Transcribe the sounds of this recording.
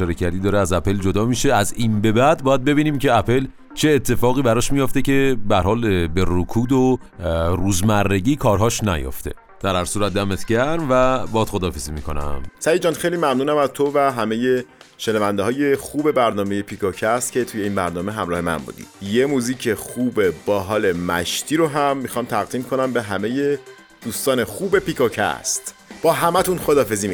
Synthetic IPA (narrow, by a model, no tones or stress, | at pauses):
ɒːɾecʰæɾd̪iːd̪ɒːɾeæzæpe̞ld͡ʒod̪ɒːmiːʃeæzinbe̞bæd̪̚bɒːjæd̪̚be̞biːniːmce̞æpʰe̞l | t͡ʃʰe̞ːt̪ʰːe̞fɒːɣiːbæɾɒʃmijoft̪e̞cʰe̞bæɾhɒːlbeɾokʰuːd̪o | ruːzmærːe̞ɟiːkʰɒːɾɦɒːʃnæ̰jo̰ft̪ʰe̞̰ | d̪̥æɾhæɾsuːɾæt̪̚d̪æmet̪ʰɟæɾmvæbɒːd̪̥xo̞d̪ɒːfeziːmiːkʰo̞næ̰msæjid͡ʒɒːnxejliːmæmnuːnæmæzt̪ʰovæɦæme̞je̞ʃenɒvænd̪eɒːje̞xuːbe̞bæɾnɒːme̞je̞pʰikʰocʰæst̪̚cʰe̞t̪ʰuje̞iːnbæɾnɒːme̞ɦæmɾɒːhe̞mæ̰nbṵːd̪ḭ̥je̞muːziːcʰe̞xuːbe̞bɒːɦɒːle̞mæ̰ʃt̪ʰiːɾoɦæmːixɒːmt̪ʰæɣd̪iːmkʰo̞næmbe̞ɦæme̞je̞ | d̪̥uːst̪ɒːne̞xuːbe̞pikʰocʰæ̰st̪b̥ɒːɦæmæt̪ʰunxo̞d̪ɒːfe̞ziːmi